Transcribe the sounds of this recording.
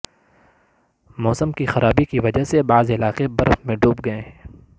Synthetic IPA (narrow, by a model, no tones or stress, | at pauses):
mɔːsəmkixɐɾʔaːbikiʋɐd͡ʒəɦsebaːzɪlaːqebɐɾəfmẽɖʱuːpɡɐẽɦɛ̃ː